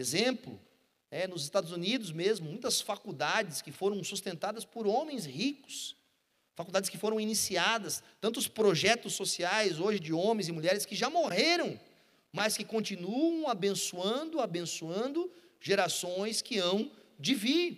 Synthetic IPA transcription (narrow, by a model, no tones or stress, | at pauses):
ezẽmplʊ̰ | nɛnʊzɪst̪ad̪ʊzunid̪ʊzmezmʊmũj̃t̪ɐsfakud̪ad͡ʒɪskɪfoɾɐ̃w̃sust̪ẽnt̪ad̪ɐspoɾõmẽj̃shikʊ̥s | fakuwd̪ad͡ʒɪskɪfoɾɐ̃w̃inisiad̪ɐst̪ɐ̃nt̪ʊspɾoʒɛt̪ʊsːosiajzoʒɪd͡ʒɪõmẽj̃zɪmuʎɛɾɪskɪʒamoɦeɾɐ̃w̃ | mɐskɪkõnt͡ʃinuɐ̃w̃abẽsuɐ̃nd̪ʊabẽsuɐ̃nd̪ʊ | ʒ̥eɾasõj̃skɪɐ̃w̃d͡ʒɪvi